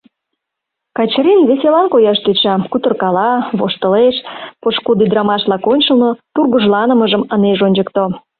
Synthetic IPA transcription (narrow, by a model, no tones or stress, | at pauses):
kɑt͡ɕɾinβeselɑnkojɑʃt̪øt͡ɕɑkut̪ərkɑlɑβoʃt̪ə̆leʃpoʃkud̪id̪ɾɑmɑʃlɑkonʲt͡ɕəlˠnot̪urɣuʒlɑnəməʒəməneʒonʲd͡ʑəkt̪o